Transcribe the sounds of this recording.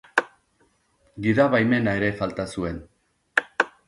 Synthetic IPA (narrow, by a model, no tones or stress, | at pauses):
ɡiðaβajme̞nae̞ɾe̞falt̪asue̞n